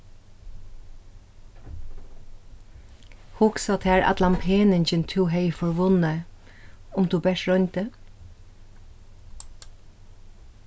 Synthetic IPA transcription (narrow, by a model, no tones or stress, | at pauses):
hʊksɑt̪ʰæːɹʔɑ̰t̪lɑmpʰeːnənçənt̪ʰuːhœʏfɔɾʋʊnə | ʊmt̪uːbɛʃɾɔnt̪ə